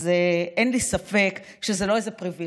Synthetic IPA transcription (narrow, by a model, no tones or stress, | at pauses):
zeʔenlisafe̞k | ʃezelo̞ezepʁivi